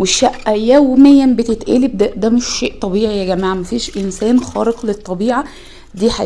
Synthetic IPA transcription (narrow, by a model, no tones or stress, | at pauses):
weʃːæʔːæjæwmejːæmbet̪et̪ʔæ̰ːlibd̪æʔd̪æmeʃːeːʔt̪ˤɑbiːʕijæɡæmæːʕamæfiːʃʔensæːnxæ̰ːɾeqlet̪ˤːɑbiːʕa | d̪iːħa